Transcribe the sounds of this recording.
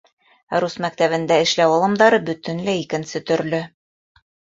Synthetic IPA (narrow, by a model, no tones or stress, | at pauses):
ɾusmæk̚t̪æβɘ̆nd̪æɘ̆ʃlæwɑlˠɤ̆md̪ɑɾɤbɵ̆t̪ɘnlæikɘ̆nsɘt̪ɵ̆ɾlɵ